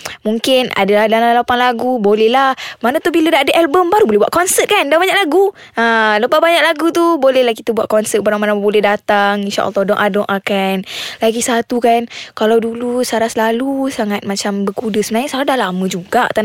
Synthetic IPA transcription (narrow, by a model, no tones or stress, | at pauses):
muŋkɪna̰dalahdalalapaŋlaɡubolɛhlahmanat̪ubilədaʔːdəʔɛlbəmbaɾubolɛɦbuaʔ̪kɔnsət̪̚kandabaɲaklaɡu | ələpabaɲak̚laɡut̪ubolɛhlahkit̪abuwa̰ʔ̪̚kɔnsət̪̚baɾaŋmanãbolɛdat̪aŋinʃa̰ʔə̰lˠːɔhdɔŋʔadɔŋʔakanlaɡisat̪ukankalawdulusaɾasəlalusaŋat̪̚mat͡ʃambərkudəsəbənaɲasaɾadalaməd͡ʒuɡaʔt̪an